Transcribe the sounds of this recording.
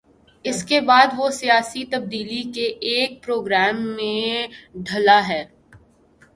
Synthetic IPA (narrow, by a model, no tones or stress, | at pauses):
ɪskebaːd̪ʋosijaːsit̪ɐb̚d̪iːlikeʔeːk̚pɾoːɡɾɛːmːẽɖʱɐlaɦɛː